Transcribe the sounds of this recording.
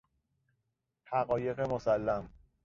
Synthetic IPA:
hæɣɒːje̞ɣe̞mosælːæm

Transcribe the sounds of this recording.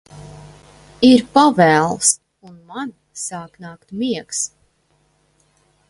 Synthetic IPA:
iɾpavɛːlˠs | unman | saːknaːkt̪miɛks

